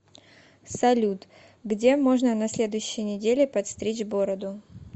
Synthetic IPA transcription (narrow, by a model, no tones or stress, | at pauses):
sɐlʲut̪ | ɡdʲe̞mo̞ʐnənɐsʲlʲe̞d̪ʊjʉɕːɪjənʲɪdʲelʲɪpɐt̪st̪ɾʲet͡ɕɡo̞ɾəd̪ʊ